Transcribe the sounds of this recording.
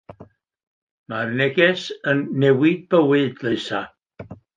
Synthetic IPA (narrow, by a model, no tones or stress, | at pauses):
marnɛɡɛsənːɛwɪd̚b̥əwɨdlɨsa